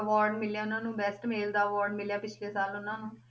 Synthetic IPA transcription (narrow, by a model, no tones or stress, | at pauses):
əʋaːɾɖmɪljaːʊnãːnũːbɛːsʈmeːld̪aːəʋaːɾɖmɪljaːpɪt͡ʃʰleːsaːlʊnãːnũː